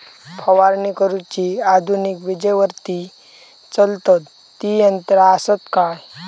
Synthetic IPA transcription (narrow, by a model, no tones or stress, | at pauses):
pʰɐʋaɾnikəɾut͡ɕiad̪ʱunikʋid͡ʑəjʋəɾt̪i | t͡səlt̪ət̪ːiənt̪ɾasət̪kaj